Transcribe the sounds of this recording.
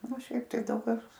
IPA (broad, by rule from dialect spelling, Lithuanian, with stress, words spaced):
oː ˈʃʲɛɪp tɐɪ ˈdɐʊk kɐs